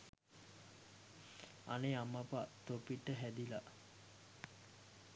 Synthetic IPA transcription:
a̰neamapat̪opiʈːəɦæd̪ila

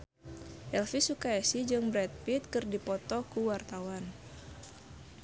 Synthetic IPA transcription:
ʔɛlfisukaɛsid͡ʒɨŋbɾɛt̪̚pit̪̚kɨrdipɔt̪ɔkuwart̪awan

